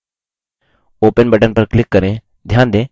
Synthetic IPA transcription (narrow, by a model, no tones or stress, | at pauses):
opənbɛʈənpəɾklikːəɾẽ | d̪ʱjand̪ẽ